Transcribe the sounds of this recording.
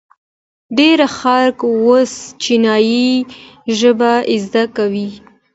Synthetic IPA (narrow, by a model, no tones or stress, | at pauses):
ɖeɾaxɑɾkost͡ʃinɑji | ʒəbaʔɪzd̪akawi